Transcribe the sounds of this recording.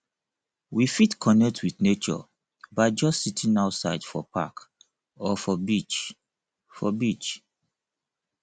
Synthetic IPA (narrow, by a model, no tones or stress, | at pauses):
wifitkʰɔnɛk̚tʰwiθnet͡ʃɔ̰ | baɪd͡ʒɔstsitʰĩnaʊtsaɪd̥fɔ̰pʰa̰k | ɔfɔbit͡ʃ | fɔbit͡ʃ